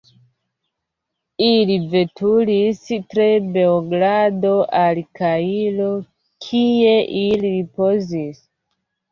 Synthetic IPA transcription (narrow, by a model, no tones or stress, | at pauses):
ilive̞tulistɾe̞be̞oɡɾado̞ʔalikailo̞ | kʰie̞ʔiliɾipo̞zis